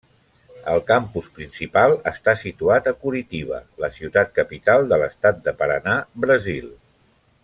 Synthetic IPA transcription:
əlˠkampuspɾinsipalˠəst̪asit̪uat̪əkuɾit̪iβ̞ə̰ləsiut̪at̪̚kəpit̪alˠd̪ələst̪at̪̚d̪əpəɾə̰nabɾəzilˠ

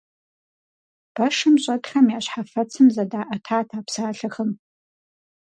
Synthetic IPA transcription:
b̥ɐʂɨmɕʷʼɐɡχamiaɕʷħafɐt͡sʰɨmzadaːʔatʰaːtʰaːpʰsaːɬɐχəm

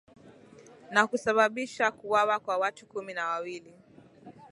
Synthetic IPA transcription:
nakusaɓaɓiʃakuwawakwawatukuminawawili

